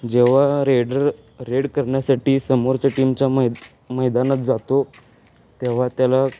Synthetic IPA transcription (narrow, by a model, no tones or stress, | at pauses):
d͡ʑeʋ̤aɾeɽəɾ | ɾeɽkəɾɳjasaʈiːsəmoɾt͡ɕaʈimt͡ɕja | məjd̪anət͡sd͡zat̪o | t̪eʋ̤at̪jala